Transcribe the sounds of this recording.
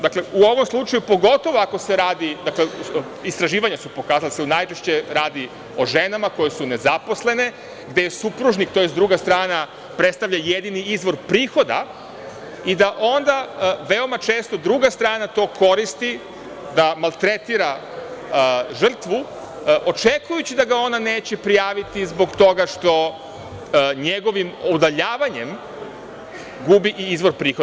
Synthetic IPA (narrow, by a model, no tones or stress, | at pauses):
d̪akle̞uo̞ʋo̞mslˠut͡ʃajupo̞ɡo̞t̪o̞ʋoako̞seɾaːd̪id̪akle | ist̪ɾaʒiːʋaɲasupo̞kaːzald̪aseunajt͡ʃe̞ʃt͡ɕe̞ɾaːd̪i | o̞ʒe̞namako̞jesune̞zapo̞sle̞ne̞ | ɡd̪ejesupɾuʒnik̚t̪o̞jesd̪ɾuɡast̪ɾaːna | pɾet̪st̪aʋʎajed̪iniizʋo̞ɾpɾiːxo̞d̪a | id̪aʔo̞nd̪aʋe̞o̞mat͡ʃe̞ːst̪od̪ɾuɡast̪ɾaːnat̪o̞ːkʰo̞ɾist̪i | d̪amalˠt̪ɾe̞t̪iɾa | ʒr̩t̪ʋu | ʔot͡ʃekujut͡ɕid̪aɡao̞nane̞ːt͡ɕepɾijaːʋit̪izbo̞ɡt̪o̞ɡaʂt̪o̞ | ɲe̞ɡo̞ʋimod̪aʎaːʋaɲem | ɡubiʔizʋo̞ɾpɾiːxo